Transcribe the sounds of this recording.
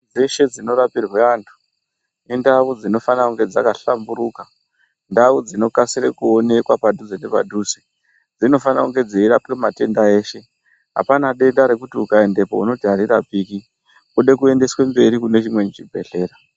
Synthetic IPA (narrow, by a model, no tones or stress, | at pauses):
d͡zeʃe̞d͡zino̞ɾapirweaːntʰu̥ | indaʋud͡zino̞fanakuŋɡe̞d͡zakaɬambuɾuka | ndawud͡zino̞kasiɾekuo̞ne̞kwapadʱuzinepa̰dʱusi | d͡zino̞fanakuŋɡe̞d͡zeiɾapemate̞ndae̞ːʃe̞ | ɦa̰panaɗe̞ndaɾe̞kutiukaende̞pouno̞dʱaɾirapiːki | kuɗe̞kue̞nde̞swe̞mbe̞ɾikune̞t͡ʃimwet͡ʃit͡ʃibʱe̞ɬe̞ːɾa